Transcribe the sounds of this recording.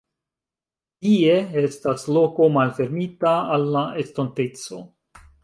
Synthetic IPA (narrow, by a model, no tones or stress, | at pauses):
tie̞estaslo̞ko̞malfe̞ɾmitaːlːae̞stonte̞t͡so̞̰